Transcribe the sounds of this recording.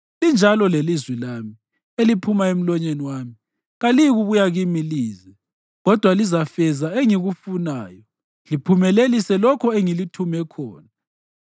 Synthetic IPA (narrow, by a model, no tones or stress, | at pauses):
lind͡ʒʱalɔlelizwilami | elipʰumaem̩lɔɲeniwaːmi | ɣaliɣuβujaɣimiliːzɛ | ɣɔd̥ʱwalizafɛzaeŋiɣufunaːjɔ | lipʰumɛlelisɛlɔkʰɔeŋilitʰumɛkʰɔ̰ːna